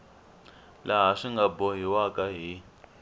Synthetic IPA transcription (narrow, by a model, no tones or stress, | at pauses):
laɦaʂiŋɡabɔɦiwakʼaɦi